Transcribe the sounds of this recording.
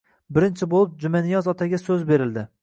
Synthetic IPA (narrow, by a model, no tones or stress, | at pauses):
bɪɾɪnt͡ʃʰɪbolˠɪp̚d͡ʒʊmanijɒzɒt̪ʰaɡʲasɵzbe̞ɾɪld̪ɪ